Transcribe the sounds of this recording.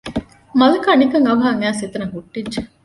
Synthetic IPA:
mɐlɐkaːnikɐŋɐʋɦaːŋæːsit̪ɐnɐɦuʈːidd͡ʒe

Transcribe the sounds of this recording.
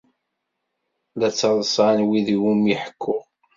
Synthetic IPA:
læt͡sːɑðˤəsˤɑnwiðiwumjəħə̥kʰːʊʁ

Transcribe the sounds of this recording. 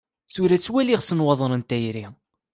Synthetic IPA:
θʊɾæt͡sːwæliʁsənwɑðˤɾənt̪æjɾi

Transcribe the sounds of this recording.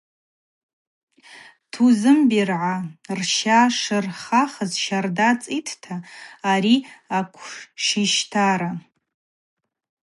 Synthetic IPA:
tʰuzɨmbirʕarʃaʂɨrχaχəzʃardat͡sʼitʰtʰaːɾiakʷʰʂiʃtʰaɾa

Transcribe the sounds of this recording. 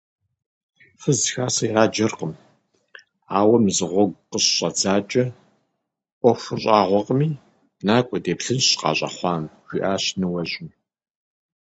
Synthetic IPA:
fəzxaːsɐiʁaːd͡ʒɐrqəm | aːwɐmzɨʁʷɔɡʷqəɕɕʼɐd͡zaːt͡ʃʼɐ | ʔʷɔxʷʊɕʼɑːʁʷɔqʼəmiː | naːkʷʼɔdeːpɬɨnɕqɑ̰ːɕʼɐ̰χʷɑːnɡʷḭːʔaːɕnɨwɐʑɪm

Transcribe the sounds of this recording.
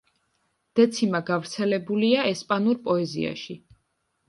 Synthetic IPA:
d̪̥ɛt̪sʰimaɡavɾt̪sʰɛlɛbuliaɛspʼanuɾpʼɔɛzḭa̰ʃi

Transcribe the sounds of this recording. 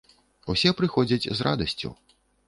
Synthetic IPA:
usʲɛpɾɨxɔd͡zʲɐt͡sʲzra̰d̪ɐsʲt͡sʲṵ

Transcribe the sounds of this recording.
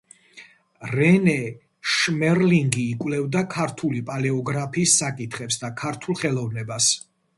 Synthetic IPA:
ɾɛnɛ | ʃmɛɾliŋɡiːkʼwlɛvd̪akʰaɾt̪ʰulipʼalɛɔɡɾapʰiːsːakʼit̪ʰχɛpsd̪akʰaɾt̪ʰulˠχɛlˠɔvnɛbas

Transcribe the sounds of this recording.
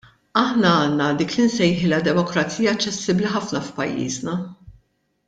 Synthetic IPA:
ɐħnɐɐːnːɐd̪iːklɪnsɛjħɪlɐd̪ɛmɔkɾɐt͡siːjɐɐt͡ʃːɛsːɪbliħɐfnɐfpɐ̰jːḭːznɐ

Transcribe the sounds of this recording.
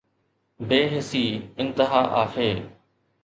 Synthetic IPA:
beːɦɪsiːɪ̃nt̪ɪɦaːʔa̰ːheː

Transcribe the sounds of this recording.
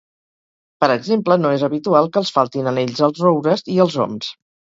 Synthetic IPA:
pəɾəɡzemplənoezəβit̪ualˠkəlˠsfalˠt̪inəneʎzəlˠzrowɾəziəlˠzɔ̰ms

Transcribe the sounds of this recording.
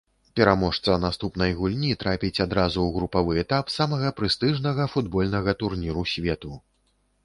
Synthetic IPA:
pʲɛɾamɔʂt̪sɐnast̪upn̪ɐjɣulʲnʲit̪ɾapʲit͡sʲad̪ɾazuwɣɾupavɨɛt̪apsamɐɣɐpɾɨst̪ɨʐnɐɣɐfud̪bɔlʲn̪ɐɣɐt̪urnʲiɾusʲvʲɛt̪u

